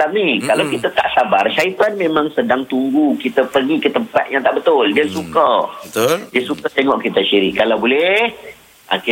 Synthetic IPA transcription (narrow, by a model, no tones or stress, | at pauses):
am̚nikalawkit̪at̪a̰ʔsabarʃait̪anmẽmãŋsədaŋt̪uŋɡukit̪əpərɡikət̪əmpa̰t̪̚jaŋt̪aʔbət̪ʊldiəsukəət̪diəsukat̪eŋɔʔkit̪aʃiɾḭʔkːalawbolɛh | a̰ki